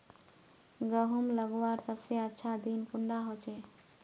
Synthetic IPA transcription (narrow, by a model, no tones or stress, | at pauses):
ɡəɦumləɡwaːɾsəbseətːʃʰad̪iːnkʊɳɖaɦoːt͡ʃeː